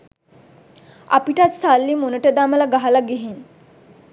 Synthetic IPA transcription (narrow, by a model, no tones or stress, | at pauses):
a̰piʈat̪salːimonəʈəd̪aməlaɡaɦalaɡeɦen